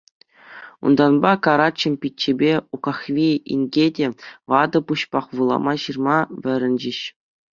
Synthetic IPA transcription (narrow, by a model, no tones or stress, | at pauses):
ṵnd̪ɑnbɑkɑɾɑt͡ɕɤ̆mʲpʲitʲt͡ɕːebʲeukɑxʋʲiḭnʲɡʲedʲeʋɑd̪ɤ̆puɕpɑχʋɯlˠɑ̰mɑɕɯrmɑʋʲɘ̆ɾʲɘ̆nʲd͡ʑĭɕ